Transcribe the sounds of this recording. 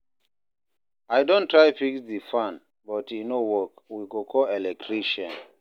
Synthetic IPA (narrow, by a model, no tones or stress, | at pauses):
ajdɔ̃ntɹajfiksdifãn | bɔtʰinowɔkwiɡokʰɔɛlɛk̚tʰɹiʃɔ̃n